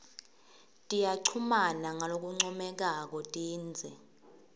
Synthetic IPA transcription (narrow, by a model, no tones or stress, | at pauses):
tʼijaǀʰumanaŋalok̬uŋ͡ǀɔmɛk̬ak̬ɔtʼiːnd͡zʱɛ